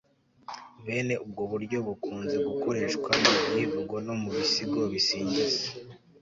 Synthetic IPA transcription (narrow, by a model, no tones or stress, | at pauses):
βe̞ːne̞ʔub̚ɡo̞βuɾɟo̞βukuːnze̞ɡuko̞ɾe̞ːʃkwajivuɡono̞muβisiɡo̞βisiːɲɟize